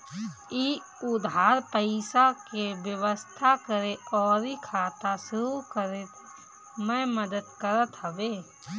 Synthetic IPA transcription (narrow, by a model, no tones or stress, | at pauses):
i | ʊd̪ʱɦaːɾpəɪsakeʋjəʋəst̪ʰakəɾeɔːɾikʰaːt̪asʊɾukəɾet̪ | mɛ̃məd̪əd̪kəɾət̪ɦəʋeː